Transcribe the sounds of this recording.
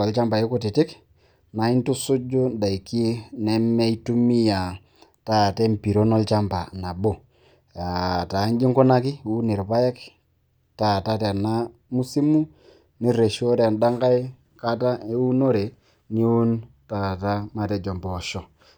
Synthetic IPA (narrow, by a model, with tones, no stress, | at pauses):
ɔ˨lt͡ʃa˦mba˨i˦ku˦ti˨tɪ˦k | na˨i˦ntu˦su˦d͡ʒu˦da˨i˨ki˦nɛ˦mɛ˦i˦tu˦mi˦ja˨ | ta˦˨tɛ˦mpi˨ɾo˦nɔ˦lt͡ʃa˦mba˨na˨bo˦ | a˨ta˨˦nd͡ʒi˦ŋku˦na˦kɪ˦u˦ni˨ɾpa˦jɛ˦k | ta˨ta˦tɛ˨na˦ | mu˦si˦mu˦ | ni˦ɾe˨ʃo˦ɾa˨nda˦ŋka˦j | ka˦ta˦e˦u˦no˦ɾe˨ | ni˦wu˦n | ta˨ta˦ma˨tɛ˨d͡ʒɔ˨mbɔː˨ʃɔ˨